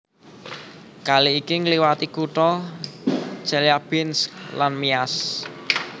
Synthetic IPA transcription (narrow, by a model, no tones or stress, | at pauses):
kaliikiŋliwat̪ikuʈɔ̥ | t͡ʃɛljab̥ɪnsk̚lanmias